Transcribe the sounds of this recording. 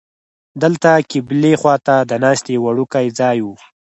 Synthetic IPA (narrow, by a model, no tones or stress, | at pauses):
d̪əlt̪akɪblexwɑt̪ad̪ənɑʃt̪ewaɽukajd͡zɑjwu